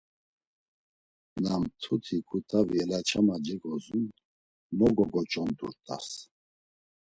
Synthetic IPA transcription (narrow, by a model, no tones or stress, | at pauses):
namt̪ʰut̪ʰikʰʼut̪ʼaviɛlat͡ʃʰamad͡ʒɛɡɔzun | mɔɡɔɡɔt͡ʃʼɔnd̪ṵɾt̪ʼa̰s